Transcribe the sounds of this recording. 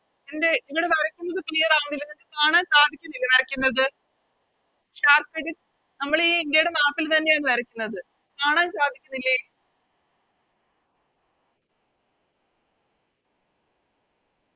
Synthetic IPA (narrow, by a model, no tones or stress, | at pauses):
ende̞iʋiɽe̞tɐrɐkʲːunːɐðɨklijɐɾaːnilːɐnendekaːɳaːnsaːd̪ʱikʲːunːilːɐnɐrɐkʲːunːɐðɨ | ɕaːrkeɽil | nɐmːɐɭiːindejɽemaːpːilt̪ɐnːe̞jaːɳɨʋɐɾɐkʲːunːɐðɨ | kaːɳaːnsaːd̪ʱikʲːunːilːe